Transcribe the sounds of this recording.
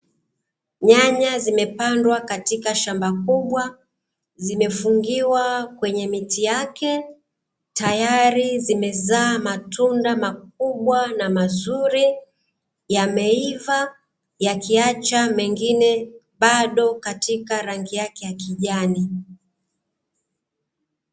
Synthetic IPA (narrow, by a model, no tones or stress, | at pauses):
ɲaɲazimɛpandwakatikaʃambakuɓwa | zimɛfuŋɡiwakwɛɲɛmitijakɛ | tajaɾizimɛzaːmatundamak̚uɓwanamazuɾi | jamɛiva | jakiat͡ʃamɛŋɡinɛ | ɓaɗɔkatikaɾaŋɡijakɛjakiʄani